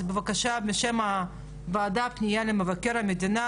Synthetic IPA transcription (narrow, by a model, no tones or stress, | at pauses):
bevakaʃabeʃema | vaːd̪apnijalemevakeɾhamed̪ina